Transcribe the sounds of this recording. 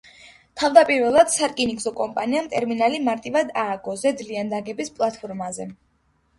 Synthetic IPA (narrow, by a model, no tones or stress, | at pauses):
t̪ʰavd̪apʼiɾvɛlˠad̪̥saɾkʼiniɡzɔkʼɔmpʼaniamt̪ʼɛɾminalimaɾt̪ʼivad̪aːɡɔzɛd̪liand̪aɡɛbispʼlˠat̪ʰpʰɔɾmazɛ